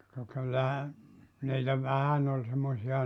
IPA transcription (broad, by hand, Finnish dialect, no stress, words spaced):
kɑ kylːæhæ niːtæ ʋæhæn ol semːosiɑ